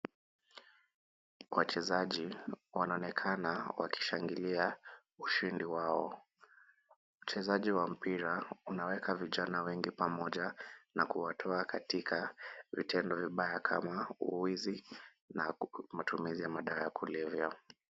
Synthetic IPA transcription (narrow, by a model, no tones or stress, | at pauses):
wat͡ʃɛzaʄiwanaɔnɛkʰanawa̰kʰi̥ʃaŋɡilia | uʃindiwaɔ | t͡ʃɛzaʄiwam̩piɾaunawɛkʰaviʄanawɛŋɡipamɔʄanakuwatʰɔakʰatikʰavḭtʰɛndɔviɓajakʰa̰maṵwizi | namatumizijamaɗaːjakulɛvja